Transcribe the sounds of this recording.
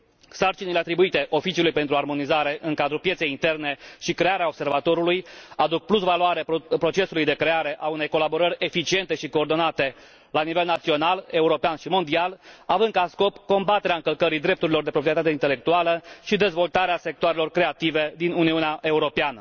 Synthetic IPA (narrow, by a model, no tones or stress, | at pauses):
sart͡ʃinile̞at̪ɾibuit̪e̞ʔo̞fit͡ʃiulujpe̞nt̪ɾuarmo̞nizaɾe̞ʔɨŋkad̪ɾupjet̪se̞jint̪e̞rne̞ʃikɾe̞aɾeaobse̞rvat̪o̞ɾulujad̪uk̚plusvaloaɾepɾo̞t͡ʃe̞sulujd̪e̞kɾe̞aɾe̞ʔaune̞jko̞labo̞ɾəɾʲe̞fit͡ʃie̞nt̪e̞ʃikoːrd̪o̞nat̪e̞ | lanive̞lnat̪sio̞nale̞uɾo̞peanʃimo̞nd̪ialavɨnd̪kasko̞pko̞mbat̪eɾeaɨŋkəlkəɾid̪ɾe̞p̚t̪uɾilo̞rd̪e̞pɾopɾijet̪at̪eint̪ele̞k̚t̪ualəʃid̪e̞zvo̞lt̪aɾease̞k̚t̪oaɾe̞lo̞rkɾe̞at̪ive̞d̪inuniuneaʔe̞uɾo̞peanə